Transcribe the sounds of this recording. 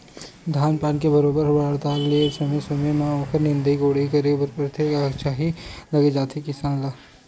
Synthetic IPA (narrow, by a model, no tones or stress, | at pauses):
d̪ʱaːnpaːnkebɐɾoːbəɾɦɐbaːɽt̪aːklesɐmesomemãɔːkʰəɾnɪ̃nd̪əiɡoːɽ̤ikɐɾebɐɾpɾt̪ʰekakt͡ʃaːɦilɐɡed͡ʒaːt̪ʰikɪsaːnlaː